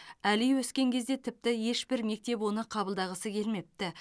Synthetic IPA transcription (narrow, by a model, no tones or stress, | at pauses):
ælijwɵskʲe̞ŋkʲʰe̞zd̪e̞t̪ʰɪp̚t̪ɪje̞ʃbɪɾme̞k̚t̪e̞pwo̞nəqʰɑbəlˠd̪ɑʁəsəkʲʰe̞lme̞p̚t̪ɪ